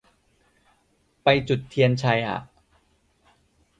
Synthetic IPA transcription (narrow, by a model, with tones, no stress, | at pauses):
pa˧jt͡ɕu˨˩t̪ʰːi˧ənt͡ɕʰa˧jʔa̰˨˩ʔ